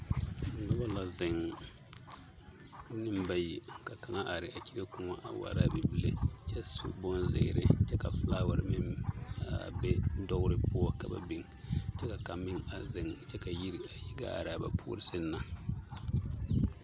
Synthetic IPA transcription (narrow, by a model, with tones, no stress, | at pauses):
na˦ba˦la˨zɪ˨ŋ˦ | nɨ˦mba˦ji˨ka˨ka˨ŋa˦ʔa˨ɾɪ˨ʔa˨ki˦ɾa˦ku˦ŋa˦ʔa̰˨wa̰˨ɾa˦bɛ˨bi˦le˨t͡ʃɛ˦sṵ˦bɔ˦nzḛ˨ɾɪ̰˨t͡ʃɛ˦ka˨flaː˦wa˨ɾɪ˨˦mɪ˦ma˨bɛ˦dɔ˦ɣʊ˦ɾɪ˦pʊ˦ɔ˦ka˨ba̰˨bi˦ŋ˨t͡ʃɛ˦ka˨ka˨mɪ˦ŋa˨zɪ˨ŋt͡ʃɛ˦ka˨ji˦ɾi˨a˨ji˦ɡa̰˦a̰˨ɾɪ˨a˨ba̰˨pʰṵː˦ɾɪ˦sɨ˦nːa˨